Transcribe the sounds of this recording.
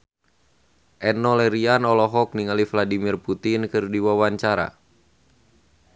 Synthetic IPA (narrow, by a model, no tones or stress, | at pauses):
ʔɛnːɔlɛɾianɔlɔɦɔk̚niŋalivladimirput̪inkɨrdiwawaɲt͡ʃaɾa̰